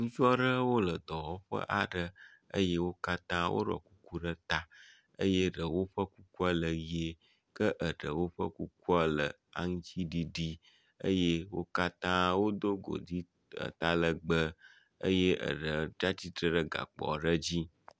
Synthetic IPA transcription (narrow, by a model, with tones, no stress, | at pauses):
ŋũ˦t͡ʃu˦ɔ˦ɖə˦wo˦lə˨d̪ɔ˨wɔ˦ɸə̰˦ʔa˨ɖə˦ə̰˦je˦wo˦ka˦t̪ã˦wʔo̰˦ɖɔ̰˨ku˦ku˦ɖə˦t̪a˦ | ə̰˦je˦ɖə˨wo˦ɸə˦ku˦ku˦a˦lə˨je˨ | kə˦ʔə˨ɖə˨wo˦ɸə̰˦ku˦ku˦a˦lə˨ | a̰˦ŋũ˦t͡ɕi˦ɖi˦ɖi˦ | ə̰˦je˦wo̰˦ka˦t̪ã˦wo˦d̪o˦ɡo̰˨di˦ | ə̰˨t̪a˦lə˨ɡ͡bə˦ | ə̰˦je˦ʔə̰˨ɖə˨d͡ʒa˦t͡ɕi˦t̪ɾə˦ɖə˦ɡa̰˨k͡pɔ̰˨ɖə˦d͡ʑi˦